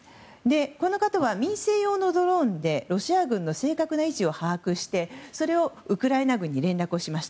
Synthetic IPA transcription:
d̪e̞ko̞no̞kat̪oβamʲĩɰ̃se̞ːjo̞ːno̞d̪o̞ɾõ̞nd̪e̞ɾo̞ɕiaɡɯ̟̃nːo̞se̞ːkakɯ̟nait͡ɕio̞haːkɯ̟ɕi̥t̪e̞so̞ɾe̞o̞ɯ̟kɯ̟ɾaenaɡɯ̟̃ɲ̟ːiɾẽ̞nɾakɯ̟o̞ɕimaɕi̥a

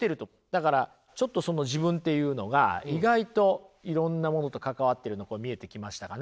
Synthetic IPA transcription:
t̪ːe̞ɾɯ̟t̪o̞ | d̪̥akaɾa | t͡ɕo̞t̪ːo̞so̞no̞ʑibɯ̟̃nt̪e̞jɯ̟ːno̞ɡa̰iɡait̪o̞iɾõ̞nːamo̞no̞t̪o̞kakaβ̞at̪ːe̞ɾɯ̟no̞koːmʲie̞t̪e̞kʲimaɕi̥t̪akan

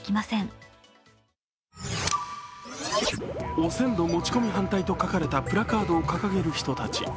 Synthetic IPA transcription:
kʲimasẽ̞ɴ | o̞sẽ̞nd̪o̞mo̞t͡ɕi̥ko̞mʲiɦãnt̪ait̪o̞kakaɾe̞t̪apɯ̟ɾakaːd̪o̞ːkakaɡe̞ɾɯ̟çi̥t̪o̞t̪at͡ɕḭ

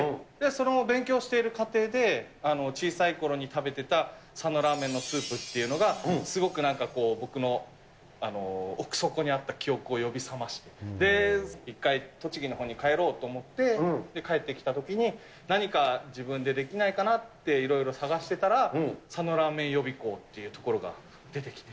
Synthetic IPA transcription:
d̪̥e̞so̞no̞bẽ̞ŋkʲo̞ːɕi̥t̪e̞iɾɯ̟kat̪e̞ːd̪e̞ano̞t͡ɕiːsaiko̞ɾo̞ɲ̟it̪abe̞t̪e̞t̪asano̞ɾaːmẽ̞nːo̞sɨːpɯ̟t̪ːe̞iɯ̟no̞ɡasɨɡo̞kɯ̟nãŋkako̞ːbo̞kɯ̟no̞ | ano̞ːkɯ̟̥so̞ko̞ɲ̟iat̪ːakʲio̞kɯ̟o̞jo̞bʲisamaɕi̥t̪e̞d̪e̞ikːait̪o̞t͡ɕiɡʲino̞ɦõ̞ɲ̟ːikae̞ɾo̞ːt̪o̞ːmo̞t̪ːe̞d̪e̞kae̞t̪ːe̞kʲi̥t̪at̪o̞kʲiɲ̟i | naɲ̟ikad͡ʑibɯ̟̃nd̪e̞d̪e̞kʲinaikanat̪ːe̞iɾo̞iɾo̞saɡaɕi̥t̪e̞t̪aɾasano̞ɾaːmẽ̞ɰ̃jo̞bʲiko̞ːt̪ːe̞jɯ̟t̪o̞ko̞ɾo̞ɡa̰ | d̪e̞t̪e̞kʲi̥t̪e̥

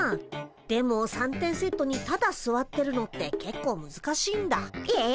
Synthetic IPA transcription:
d̪̥e̞mo̞sãnt̪ẽ̞ɰ̃se̞t̪ːo̞ɲ̟it̪ad̪asɨβat̪ːe̞ɾɯ̟no̞t̪ːe̞ke̞kːo̞ːmɯ̟zɨkaɕiːnd̪ae

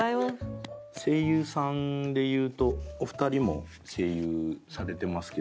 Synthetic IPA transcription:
aose̞ːjɯ̟ːsãnd̪e̞jɯ̟ːt̪o̞ːɸɯ̟̥t̪aɾʲimo̞̰ | se̞ːjɯːsaɾe̞t̪e̞masɨ̥ke

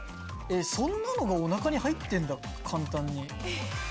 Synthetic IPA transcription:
e̞sõ̞nːano̞ɡao̞nakaɲ̟ihait̪ːẽ̞nd̪a | kʰãnt̪ãɲ̟ːi

